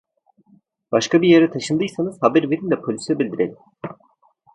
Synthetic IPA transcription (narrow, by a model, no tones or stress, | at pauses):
b̥aʃkabijaɾat̪ʰaʃɯnd̪ɯjsanɯz̥habæɾve̞ɾind̪ɛpʰolʲysɛbilʲd̪iɾelʲim